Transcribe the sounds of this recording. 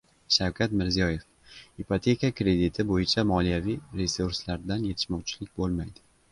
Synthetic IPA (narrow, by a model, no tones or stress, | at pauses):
ʃawkʲʰat̪mɪɾzijɒje̞f | ipʰot̪ʰe̞kʲakɾe̞d̪ɪt̪ʰɪbojɪt͡ʃʰamɒlijavijɾe̞suɾslaɾd̪anje̞t̪ʰɪ̥ʃmɒwt͡ʃʰɪ̥lɪk̚ʲbolˠmajd̪ɪ